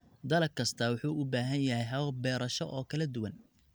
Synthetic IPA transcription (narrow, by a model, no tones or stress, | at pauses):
d̪ɐlɐkʰɐst̪ʰɐwʊħuːʊbaːɦɐnjɐɦɛjɦɐβɐbɛːɾɐʃɔʔɔːkʰɐlɐd̪ʊwɐn